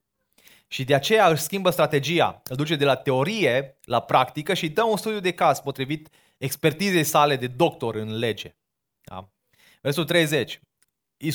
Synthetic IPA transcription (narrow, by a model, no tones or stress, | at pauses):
ʃid̪e̞at͡ʃe̞jaɨʃʲskʲimbəst̪ɾat̪e̞d͡ʒija̰ɨd̪ut͡ʃe̞d̪e̞lat̪e̞o̞ɾije̞lapɾakt̪ikəʃid̪əunst̪ud̪jud̪e̞kaz̥po̞t̪ɾivit̪ | ekspe̞rt̪ize̞jsale̞d̪e̞d̪o̞kt̪o̞ɾɨnle̞d͡ʒe̞̰ | a̰ | versoult̪ɾe̞jze̞t͡ʃʲ | i